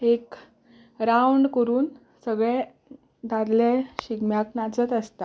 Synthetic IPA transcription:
ek | ɾawɳɖkəɾuːn | səɡɭɛ̃ | d̪ʱaɾleɕiɡmjaknat͡sət̪əst̪a

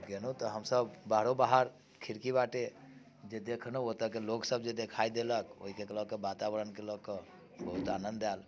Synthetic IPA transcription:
ɡenot̪ɔɦəmsəbbaɦɾobaɦəɾ | kʰiɾkibaʈe | d͡ʒed̪ekʰnoot̪əkeloksəbd͡ʒed̪ekʰaid̪eləko̰ɦikekelɔkebat̪abəɾənkelɔkə | bəɦut̪anənd̪ɛl

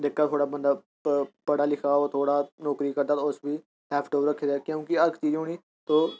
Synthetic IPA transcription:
ɖ̪ekːaːt̪ʰoːɽaːbə̃nd̪aː | pəɽaːlɪkʰaːoːt̪ʰoːɽaːnɔːkɾiːkəɾd̪aːt̪oʊsbiː | ɦɛːpʰʈoːɾəkʰːeːd̪ɛːkjõːkiəɾkʰt͡ʃiːd͡ʒɦoːniː | t̪oː

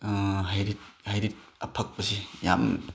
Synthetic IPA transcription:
ɦajɾit̚hajɾit̚ɐpʰɐk̚pɐsija̰m

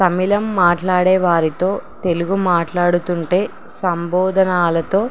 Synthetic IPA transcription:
tɐmilɐmːaːʈlaːɽɛːʋaːɾit̪o̞ːt̪e̞luɡumaːʈlaːɽut̪uɳʈe̞ː | sɐmbɔːd̪ʱɐnaːlɐt̪o̞ː

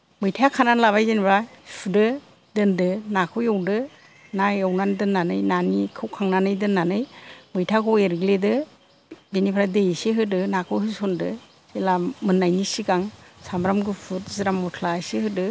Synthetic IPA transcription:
mɯjtʰakʰananlaβajzenbʰɾapʰudɯ | dɯndɯnakʰɯwjɔwdɯ | najawnandɯnːanɯjnanikʰɯwkʰaŋnanɯjdɯnːanɯjmɯjtʰakʰɔeɾɡledɯ | denipʰɾadejseɦɯdɯnakʰɯwɦɯsɔndɯ | elamɯnːajnisiɡaŋsamɾamɡɯpʰɯtziɾamːɔtʰlasehɯdɯ

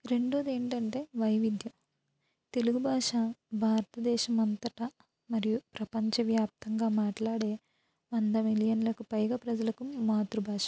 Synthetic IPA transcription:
ɾe̞ɳɖoːd̪e̞ːɳʈɐɳʈe̞ːʋɐjʋid̪jɐm | t̪e̞luɡubʱaːʂabʱaːɾɐt̪ɐd̪ɛːʃɐmɐnt̪ɐʈɐ | mɐɾijupɾɐpɐɲt͡ʃɐʋjaːp̚t̪ʰɐŋɡaːmaːʈlaːɽe̞ː | ʋɐnd̪ɐmilijɐnlɐkupɐjɡɐpɾɐd͡ʒɐlɐkumaːt̪ɾubʱaːʂɐ̥

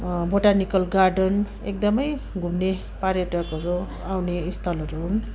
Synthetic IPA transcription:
boʈanikʌlɡaɾɖʌn | ḛk̚d̪ʌmʌj | ɡʱumne | paɾjeʈʌkʌɾu | awneist̪ʰʌlʌɾuɦun

